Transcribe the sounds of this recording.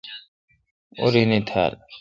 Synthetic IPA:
o̰ɾinit̪ʰa̰ːl

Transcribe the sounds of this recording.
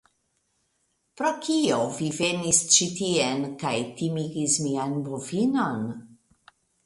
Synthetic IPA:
pɾokʰiovivenist͡ʃit̪ienkajt̪imiɡismianbufinon

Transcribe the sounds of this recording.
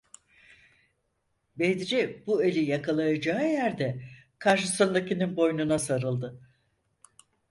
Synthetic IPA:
bed̪iɾibuelʲijakʰalˠajad͡ʒaːɯjæɾd̪ɛkʰaɾʃɯsɯnd̪acininbo̞jnunasaɾɯlˠd̪ɯ

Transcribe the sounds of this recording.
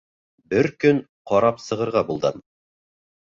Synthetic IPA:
bɘɾkɵn | qɒɾɑpsɤ̆ʁɤ̆ɾʁɑbulˠd̪ɤm

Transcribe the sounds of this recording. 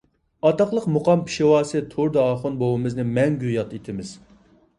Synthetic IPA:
ɑt̪ɑqlˠəqmuqɑmpʰi̥ʃewɑːsɨt̪ʰoɾd̪ɑɑːχʊnbowɨmɨznɨmɛŋɡʲyjɑt̪it̪ʰɪmɪz̥

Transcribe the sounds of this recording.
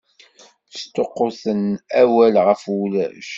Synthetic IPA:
θə̥st̪ːoqːʊθənæwælʁəfwulæʃ

